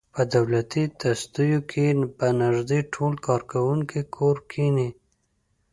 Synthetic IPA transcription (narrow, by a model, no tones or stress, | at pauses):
pəd̪awlat̪it̪ast̪ujokʰepənɪʒd̪eʈʰolkɑɾkawuŋkikʰoɾkʰini